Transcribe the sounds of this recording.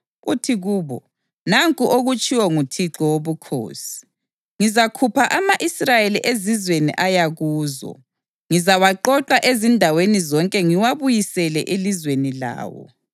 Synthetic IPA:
utʰiɣuːβɔ̰ | naŋkʼuʔoɣut͡ʃʼiwɔŋutʰiǁɔwoβukʰo̰ːsi̥ | ŋizakʰupʰaʔamaʔisrajeliʔezizwenḭʔajaɣuːzɔ̰ | ŋizawaǃɔǃaʔezindʱawenizɔŋkʼɛŋiwaβujisɛlɛʔelizwenila̰ːwɔ̰

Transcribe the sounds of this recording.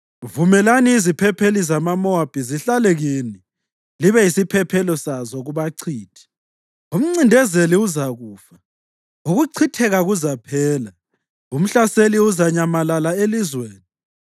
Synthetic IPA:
vumɛlaniːzipʰɛpʰelizamamɔab̥ʱiziɬalɛɣini | liβɛisipʰɛpʰɛlɔsazɔɣuβaǀʰiːtʰi̥ | um̩ŋ͡ǀindʱɛzeliuzaɣuːfa | uɣuǀʰitʰɛɣaɣuzapʰɛːla | um̩ɬaseliuzaɲamalalaelizweːni

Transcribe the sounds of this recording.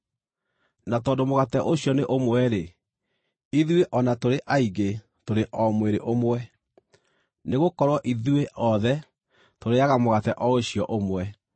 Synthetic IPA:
natɔːndomoɣatɛʔoɕjɔneʔomwɛɾe | iðweʔɔnatoɾeʔaiɣe | toɾeʔɔmweɾeʔomwɛ | neɣokɔɾwɔʔiðweʔɔðɛ | toɾeaɣamoɣatɛʔɔoɕijɔʔomwɛ

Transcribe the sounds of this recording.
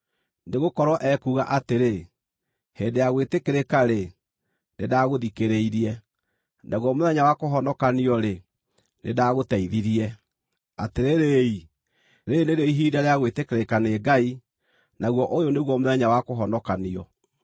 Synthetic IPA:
neɣokɔɾwɔʔɛkuːɣaʔateɾe | heːndejaɣwetekeɾekaɾe | nedaɣoðikeɾeiɾiɛ | naɣwɔmoðɛɲawakoɦɔnɔkaniɔɾe | nedaɣotɛiðiɾiɛ | ateɾeɾei | ɾeneɾɔiɦiːdaɾeaɣwetekeɾekaneɡai | naɣwɔʔojoneɣwɔmoðɛɲawakoɦɔnɔkaniɔ

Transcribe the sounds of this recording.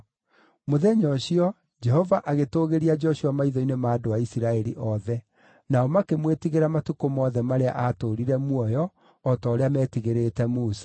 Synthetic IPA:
moðɛɲɔɕiɔ | d͡ʒɛhɔvaʔaɣetoɣeɾiad͡ʒɔɕiɔmaiðɔinemaːdoaisiɾaɛɾḭʔɔðɛ | naɔmakemwetiɣeɾamatukomɔðɛmaɾea̰ʔatoɾiɾɛmwɔjɔː | tɔːɾeamɛːtiɣeɾetɛmuːsḁ

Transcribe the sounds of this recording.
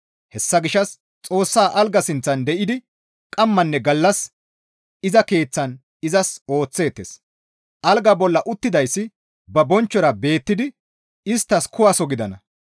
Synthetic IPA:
hɛsːɐɡɪʃːɐs | t͡sʼo̞ːsːaːʔɐlɡɐsɪnt͡sːɐnd̪ɛʔɪd̪ɪ | kʼɐmːɐnːɛɡɐlːɐs | ɪzɐke̞ːt͡sːɐn | ɪzɐso̞ːt͡sːe̞ːt̪ːes | ʔɐlɡɐbɔlːɐʔʊt̪ːɪd̪ɐjsːɪ | bɐbɔnt͡ʃːɔɾɐbe̞ːt̪ːɪd̪ɪ | ɪst̪ːɐskʊwasɔɡɪd̪ɐnɐ

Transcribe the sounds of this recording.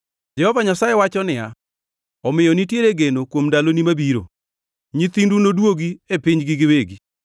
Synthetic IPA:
d͡ʒɛhɔvaɲasaewat͡ʃɔnɪja | ɔmɪjɔnitjeɾeɡenokwomndalonimabiɾo̰ | ɲit̪indunodwoɡiepɪɲɡɪɡɪweɡi

